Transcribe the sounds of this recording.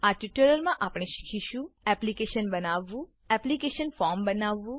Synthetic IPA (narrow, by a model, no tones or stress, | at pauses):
aʈiʈələɾmãʔapɽ̃ẽʃi̥kʰiʃũɛplikeʃənbənaʋːũ | ɛplikeʃənfɔɾmbənaʋːũ